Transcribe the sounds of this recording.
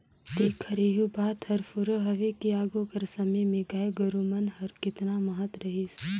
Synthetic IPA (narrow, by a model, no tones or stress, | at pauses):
t̪eːkʰːɐɾeːɦubaːt̪hɐɾfʊɾəɦɐʋekiaːɡukɐɾsɐməmẽɡaeɡɐɾumənɦɐɾkɪt̪namɐɦət̪ɾɐɦɪs